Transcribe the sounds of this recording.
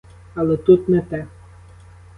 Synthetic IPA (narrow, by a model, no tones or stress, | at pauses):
ɐlˠɛt̪ut̪nɛt̪ɛ